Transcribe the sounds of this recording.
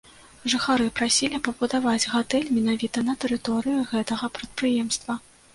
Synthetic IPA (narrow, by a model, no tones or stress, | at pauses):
ʐɨxaɾɨpɾasʲilʲipɐbud̪avad͡zʲɣat̪ɛlʲmʲin̪avʲit̪ɐnɐt̪ɛɾɨt̪ɔɾɨjuɣɛt̪ɐɣɐpɾɐt̪̚pɾɨjɛmst̪vɐ